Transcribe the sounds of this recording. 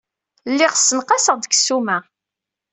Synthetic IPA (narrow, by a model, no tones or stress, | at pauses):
lːɪʁsənqɑsəʁd̪əksumæ